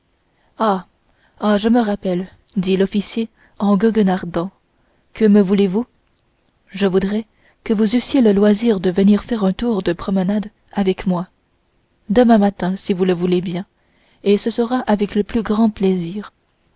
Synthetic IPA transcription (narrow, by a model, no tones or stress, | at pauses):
a | aʒəməʁapɛl | d̪ilɔfisje | ɑ̃ɡɔɡnaʁd̪ɑ̃ | kəməvulevu | ʒəvud̪ʁɛ | kəvuzysjeləlwaziːʁd̪əvəniʁfɛʁɛ̃t̪uʁd̪əpχɔmənad̪ | avɛkmwa | d̪əmɛ̃mat̪ɛ̃sivuləvulebjɛ̃ | esəsəʁaʔavɛkləplyɡʁɑ̃plɛziːʁ